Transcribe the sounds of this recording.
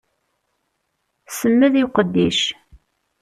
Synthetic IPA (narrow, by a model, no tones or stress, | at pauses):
səmːəðiwqəd̪ːiʃ